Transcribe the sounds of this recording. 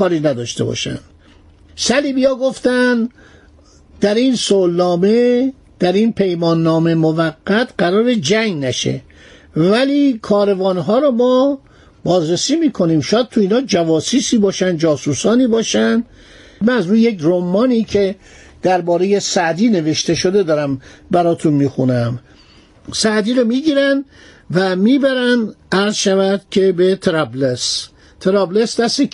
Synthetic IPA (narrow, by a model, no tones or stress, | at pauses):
kɒːɾiːnæd̪ɒ̰ːʃt̪e̞̰bɒ̰ːʃæ̰nd̪̥ | sæliːbijɒːɡo̞ft̪ænd̪ | d̪̥æɾinsolːɒːme̞ | d̪̥æɾinpʰe̞jmɒːnːɒːme̞movæɡːæt̪ʰɢæɾɒːɾed͡ʒæŋnæʃḛ | væliːkʰɒːɾe̞vɒːnɦɒːɾɔmɒː | bɒːzɾesiːmiːkʰo̞niːmʃɔːjæd̪̚t̪ʰuiːnhɒːd͡ʒævɒːsiːsiːbɒːʃænd̪̚d͡ʒɒːsuːsɒːniːbɒːʃænd̪̥ | mænæzɾuːjjekromːɒːniːcʰe | d̪̥æɾbɒːɾeje̞sæʔd̪iːne̞ve̞ʃt̪e̞ʃo̞d̪e̞d̪ɒːɾæmbæɾɒːt̪ʰunmiːxunæm | sæʔd̪iːɾomiːɟiːɾæn | væmiːbæɾænd̪æɾzʃævæd̪̥cʰe̞bet̪ʰeɾæbles | t̪ʰeɾɒːblesd̪æst̪e